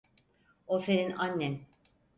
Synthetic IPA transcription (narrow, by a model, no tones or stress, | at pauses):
oseninanʲːɛn